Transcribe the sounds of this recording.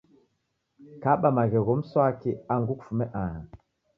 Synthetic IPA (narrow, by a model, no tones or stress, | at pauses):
kaɓamaɣeɣomsakiaŋɡukfumɛʔaha